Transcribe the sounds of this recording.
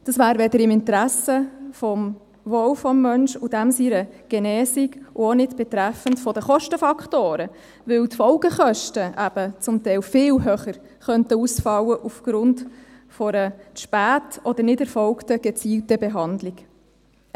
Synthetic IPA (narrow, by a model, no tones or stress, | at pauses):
d̥ɑsʋæːɾʋɛdəɾɪmɪntɾæsəfɔm | ʋɔwfɔmːœnʃʊd̥æmsiɾəɡ̥ɛnɛːsiɡʔʊonɪtb̥ɛt̪ɾæfəntfɔdəχɔʃtəfɑkχtoːɾə | ʋɵwtfɔʊɡəχœʃtəʔæb̥ət͡sʊmtɛɪlfɪːlɦøχəɾ | χœntəusfɑwːəʔufɡ̥ɾʊnd | fɔɾəʃpæːtɔd̥̪əɾnɪdæɾfɔlktəɡ̥ɛt͡siːltəbɛɦɑndlɪk